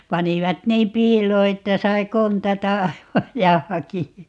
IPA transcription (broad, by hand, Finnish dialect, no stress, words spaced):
pɑniʋɑt niːm pˑiːloː etːæ sɑi kontɑtɑ ɑiʋɑj jɑ hɑkiɑ